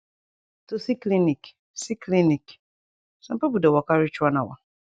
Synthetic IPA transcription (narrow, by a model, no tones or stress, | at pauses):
tusiklinĩk | sikʰlinĩk | sãpipudɛwɔkaɾit͡ʃuanãwa̰